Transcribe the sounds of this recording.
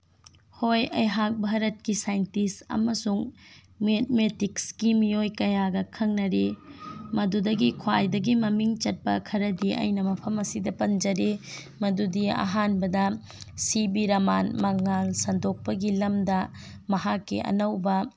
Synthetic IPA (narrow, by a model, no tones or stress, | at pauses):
hojɐ̰jɦak̚bʱaɾɐt̚kisajntisɐ̰mɐsuŋ | met̚metikskimijojkɐjaɡɐkʰɐŋnɐɾemɐdudɐɡikʰwajdɐɡimɐmiŋt͡ʃɐt̚pɐ̰kʰɐɾɐdiʔɐ̰jnɐmɐpʰɐmɐsidɐpɐnd͡ʒɐɾe | mɐdudiɐ̰ɦanbɐdɐ | sibiɾɐmanmɐŋːalsɐndok̚pɐɡilɐmdɐ | mɐɦakːḭʔɐ̰nɐwbɐ